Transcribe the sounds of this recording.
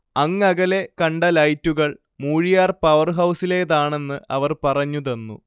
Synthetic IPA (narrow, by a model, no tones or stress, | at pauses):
ɐŋːɐɣɐle̞kɐɳɖɐlɐjtːuɣɐɭ | muːɻijaːrpɐʋɐrɦɐwsile̞ːðaːɳe̞nːɨɐ̰ʋɐrpɐrɐɲːuðenːṵ